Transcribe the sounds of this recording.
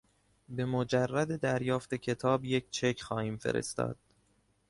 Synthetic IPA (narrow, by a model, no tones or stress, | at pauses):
be̞mod͡ʒærːæd̪e̞d̪æɾjɒːft̪e̞cʰe̞t̪ʰɒːbje̞cʰt͡ʃʰe̞cʰxɒːhiːmfe̞̰ɾḛst̪ɒ̰ːd̪̥̚